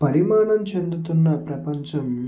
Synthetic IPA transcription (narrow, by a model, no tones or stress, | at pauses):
pɐɾimaːɳɐmt͡ʃe̞nd̪ut̪unːɐpɾɐpɐɲt͡ʃɐm